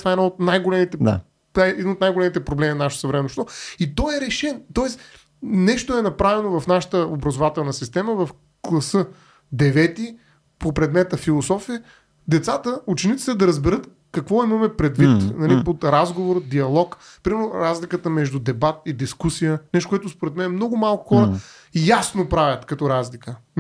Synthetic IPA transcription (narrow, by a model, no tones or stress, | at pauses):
t̪vaɛd̪aot̪najɡolɛmit̪ɛa̰ | aɛɛd̪inot̪najɡolɛmit̪ɛpɾoblɛminaʃt̪o̥səvɾɛmɛnoʃt̪ɔit̪ɔjɛɾɛʃɛnt̪ɔɛs | nɛʃt̪oɛnɐpɾavɛnovɐfnaʃə̥t̪əobɾɐzovat̪ɛlˠnəsist̪ɛməvɐf | klˠɐsɤ | d̪ɛvɛt̪i | popɾɛd̪mɛt̪əfilˠosɔfiə | d̪ɛt̪sat̪əut͡ʃɛnit̪si̥t̪ɛd̪ɐɾɐzbɛɾɤt̪ | kɐkvɔimɐmɛpɾɛd̪vit̪nɐlipot̪ɾazɡovoɾəd̪iɐlˠɔk | pɾimɛɾazlikət̪əmɛʒd̪ud̪ɛbat̪̚id̪iskusijənɛʃt̪okwɛt̪ʊspoɾɛt̪mɛnɛmnɔɡʊmalˠkʊ̥xɔɾə | jasnopɾavʲjɐt̪kɐt̪ɔɾazlikə